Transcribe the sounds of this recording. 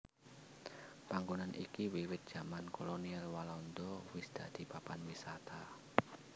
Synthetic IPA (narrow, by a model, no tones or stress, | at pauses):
paŋɡunanʔḭkiwiwɪt̪̚d̥ʒ̥amankolonialwalɔnd̪ɔwɪsd̪̥a̤d̪̥i̤papanwisat̪ʰa